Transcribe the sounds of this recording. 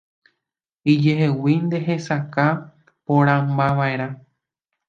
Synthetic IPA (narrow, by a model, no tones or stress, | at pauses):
id͡ʒe̞ɦe̞wind̪e̞ɦesaka | põɾ̃ãmbaʋaeɾ̃ã